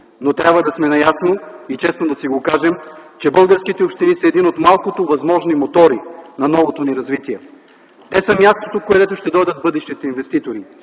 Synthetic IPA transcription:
not̪ɾʲabvəd̪ɐsmɛnɐjasnoit͡ʃɛsnod̪ɐsiɡokaʒɛmt͡ʃɛbɤlˠɡəɾsk̟it̪ɛopʃt̪inisɐɛːd̪inot̪malˠkot̪ovɐzmɔʒnimot̪ɔɾinɐnɔvot̪oniɾɐzvit̪iɛ | t̪ɛsɐmjast̪ot̪okoɛd̪ɛt̪oʊʃt̪ɛd̪ɔjd̪ət̪̚bɤd̪ɛʃt̪it̪ɛinvɛst̪it̪oɾi

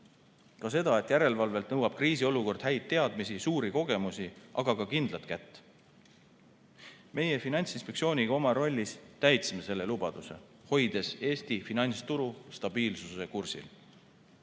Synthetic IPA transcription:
kɑse̞d̪̥ɑe̞t̪ːˑjæɾe̞lvɑlve̞lt̪nɤwɑb̥̚kriːs̬io̞luko̞rd̪̥hɦæjt̪̚ːe̞ɑd̪̥misisuːɾiko̞ɡe̞musiʔɑɡ̥ɑɡɑkind̪lɑt̪kæt̪ː | me̞je̞finɑnʲt̪sinspek̪̚sio̞ːnʲiɡ̥ɑo̞mɑɾo̞lʲːist̪æjt̪simese̞lːe̞lubɑd̪̥use̞̰ | ho̞jd̪̥e̞se̞ːst̪ifinɑjnʲst̪uɾust̪ɑb̥iːlsuse̞kursḭl

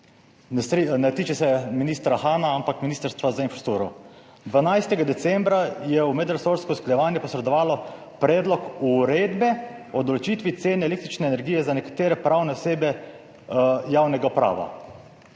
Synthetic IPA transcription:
nɛsɾnɛt̪iːt͡ʃɛsɛminist̪ɾaxaːnaampakminiːst̪əɾst̪ʋazainfɾat̪uːɾɔ | d̪ʋanajst̪ɛɡad̪ɛsɛmbɾajɛumɛd̪ɾasoɾskɔusklajɛʋaːnjɛpɔsɾɛd̪ɔʋaːlɔ | pɾɛːd̪lɔkuɾeːd̪bɛ | ɔd̪ɔlot͡ʃit̪ʋit̪seːnɛeleːk̚t̪ɾit͡ʃnɛːnɛɾɡijɛzanɛkḁt̪eːɾɛpɾawnɛɔseːbɛ | jaːwnɛɡapɾa̰ːʋa̰

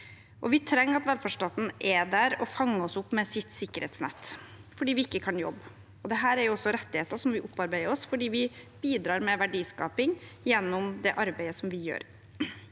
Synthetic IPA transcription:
ʔɔʋɪt̪ʰɾɛŋːɾɑt̪ʋɛlfæʂʈɑːt̪n̩ʔɛd̪æɾɔfɑŋːəɔsʊpːmɛsɪt̪ːsɪkːəɾɛ̰ːt̪snɛ̰t̪ːfɔɖiːʋɪɪkːəkʰɑnjɔ̰bː | ɔd̪ɛɦæːɾæɾjʊɔsːɔɾɛt̪ːɪheːt̪əʂɔmʋɪʔʊpːɑɾbæɪəɾɔsfɔɖiːʋɪbiːd̪ɾɑːɾmɛʋæɖiːskɑ̰ːpɪŋjɛnːʊmd̪ɛʔɑɾbæɪəsɔmʋɪjø̰ːɾ

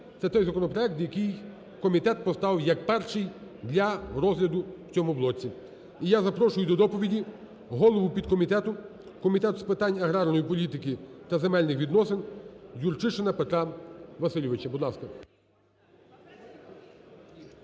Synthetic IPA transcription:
t̪sɛt̪ɔjzɐkɔnɔpɾɔjɛk̚t̪jɐkɪj | kɔmʲit̪ɛt̪̚pɔst̪ɑwjɐkpɛrʃɪjd̪lʲɐɾɔzlʲɐd̪ʊw̥t͡sʲɔmʊblˠɔt͡sʲːi | ijazɐpɾɔʃʊjʊd̪ɔd̪ɔpɔʋʲidʲi | ɦɔlˠɔʋʊpʲid̪̚kɔmʲit̪ɛt̪ʊ | kɔmʲit̪ɛt̪ʊspɪt̪ɑnʲɐɦɾɑrnɔjipɔlʲit̪ɪkɪt̪ɐzemɛlʲnɪxʋʲid̪nɔsɪnjurt͡ʃɪʃenɐpet̪ɾɑʋɐsɪlʲɔʋɪt͡ʃɐbud̪lˠɑskɐ

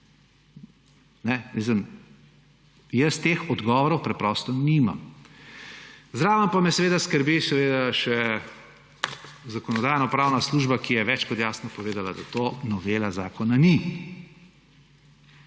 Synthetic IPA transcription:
nɛʋis̬əm | jəst̪eːxɔd̪ɡɔːʋɔɾɔwpɾɛpɾɔst̪ɔnima̰m | zd̪ɾaːʋəmpamɛsɛʋeːd̪askəɾbisɛʋed̪aʃɛ | zakɔnɔd̪aːjnɔpɾaːwnasluʒbakijɛʋɛt͡ʃkɔt̪jaːsnɔpɔʋeːd̪alad̪at̪onɔʋeːlazaːkɔnani

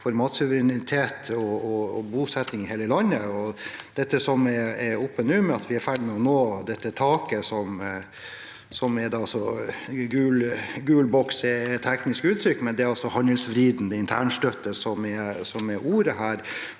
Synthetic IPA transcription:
fɔɾmɑːt̪sʉʋəɾɛnɪt̪ʰeːt̪ɔɔbuːsɛt̪ːɪŋɪheːləlɑnːəɔd̪̥ɛt̪ːəsɔmɛɛɔpːənʉːmɛɑt̪ʰʋɪæɾfæːɖɪmɛɔnoːd̪ɛt̪ːət̪ʰɑːkəsɔm | sɔmɛɾd̪ɑɑsɔɡʉːlɡʉːlbɔksɛɛt̪ʰːɛknɪskʉːt̪ʰɾʏkːmɛnd̪ɛɾɑlsɔhɑnd̪əlsʋɾiːd̪nd̪əɪnt̪ʰæ̰ːɳʂʈ̪œt̪ːəsɔmɛsɔmɛɾʔuːɾəɦæːɾ

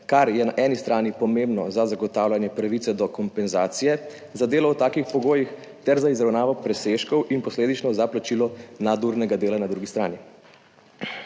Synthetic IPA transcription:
kaɾjɛnaʔɛnist̪ɾaːnipɔmẽmbnɔzazaɡɔt̪aːwlanjɛpɾaʋit̪sɛd̪ɔkɔmpɛnzaːt̪sijɛ | zad̪eːlɔɔt̪aːkixpɔɡoːjix | t̪ɛɾzaizɾawnaːʋɔpɾɛseʃkɔwʔinpɔsleːd̪it͡ʃnɔzaplat͡ʃilɔnad̪uɾnɛɡad̪eːlanad̪ɾuɡist̪ɾa̰ːni

